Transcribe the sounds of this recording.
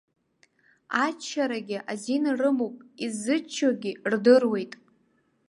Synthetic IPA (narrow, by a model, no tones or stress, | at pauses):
at͡ʃʰːaɾaɡʲɪʔazinrɨmowpʼizɨt͡ʃʰaɡʲɪrdɨrwe̞jtʼ